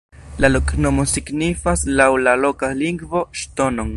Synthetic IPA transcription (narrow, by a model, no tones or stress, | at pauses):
lalokʼnomosiɡnifaslawlalokaliŋɡvoʃt̪onoŋ